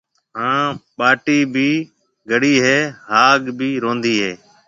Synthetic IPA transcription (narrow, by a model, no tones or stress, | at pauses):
ɦãːɓaːʈiːbʱiː | ɡʱəɽiːɦeːɦaːɡbʱiːɾõːnd̪iːɦeː